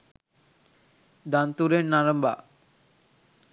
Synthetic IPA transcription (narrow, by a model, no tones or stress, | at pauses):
d̪ant̪uɾenːaɾəmba̰